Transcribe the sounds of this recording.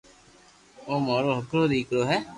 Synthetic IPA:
oːmaːɾoːɦəkɾoːd̪iːkɾoːɦɛː

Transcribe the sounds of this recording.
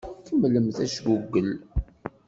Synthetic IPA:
kəmləmθæʃɡuɡːəl

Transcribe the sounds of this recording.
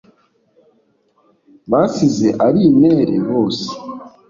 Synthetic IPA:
βasizeʔaɾimeːɾḛβoːsi̥

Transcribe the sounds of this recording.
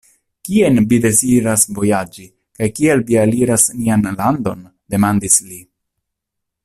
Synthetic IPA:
kie̞nvide̞ziɾasvo̞jad͡ʒi | kajkielvialiɾasnianlando̞n | de̞mandisli

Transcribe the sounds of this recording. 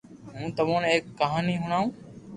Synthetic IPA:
ɦũːt̪əʋõːneːkːəɦaːniːɦʊɽ̃aːũː

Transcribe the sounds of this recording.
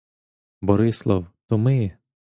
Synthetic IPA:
bɔɾɪslˠɔwt̪ɔmɪ

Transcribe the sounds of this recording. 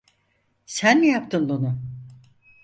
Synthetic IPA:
sænlɛjapt̪ʰɯnd̪onʊ

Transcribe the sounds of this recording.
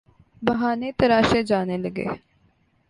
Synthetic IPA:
bɐɦaːnet̪ɐɾaːʃed͡ʒaːneləɡḛː

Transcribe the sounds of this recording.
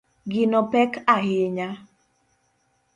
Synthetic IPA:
ɡɪnɔpɛkaɦɪɲa

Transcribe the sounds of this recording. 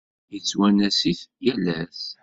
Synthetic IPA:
jət͡sːwænæsiθjælæs

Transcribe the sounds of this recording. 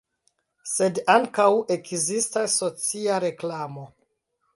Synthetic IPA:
se̞daŋkawe̞kzistasːo̞t͡siaɾe̞klamo̞

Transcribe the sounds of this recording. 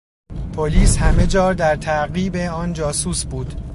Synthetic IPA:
pʰoliːshæme̞d͡ʒɒːɾd̪æɾt̪ʰæʔɢiːbe̞ɒːnd͡ʒɒːsuːsbuːd̪̥

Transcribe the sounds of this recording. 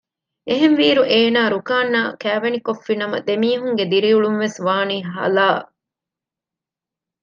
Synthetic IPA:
eɦenʋiːɾuʔeːnaːɾukaːnːaːkæːʋenikofːinɐmɐ̰d̪emiːɦuŋɡed̪iɾiuɭunʋesʋaːniːɦɐ̰laː

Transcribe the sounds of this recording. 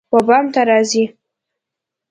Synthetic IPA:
wabamt̪aɾɑːzi

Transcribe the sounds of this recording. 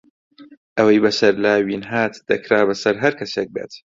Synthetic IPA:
ʔɐwɐjbɐsɐɾlaːwiːnɦaːt̪d̪̥ɐkɾaːbɐsɐɾɦɐɾkʰɐseːk̚bḛːt̪

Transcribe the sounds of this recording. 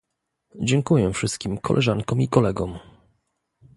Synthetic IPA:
d͡ʑɛŋkujɛfʂɘst̪̚kʲimkʰɔ̰lʔɛʐaŋkɔ̃mikɔlɛɡɔm

